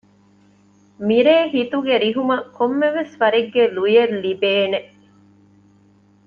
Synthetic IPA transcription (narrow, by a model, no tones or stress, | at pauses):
miɾeːɦit̪uɡeɾiɦumɐkomːeʋesʋɐɾiɡːelujellibeːne